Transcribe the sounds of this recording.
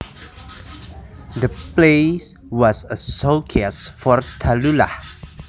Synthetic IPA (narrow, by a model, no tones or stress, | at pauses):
dəples | wɔsəsokʰiasfɔrt̪ʰalula